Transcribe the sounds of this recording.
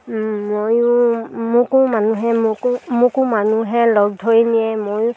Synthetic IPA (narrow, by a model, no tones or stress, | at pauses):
mojʊmʊkʊmanuɦɛmʊkmʊkʊmanuɦɛlɔɡ̚dʱojnijɛmojʊ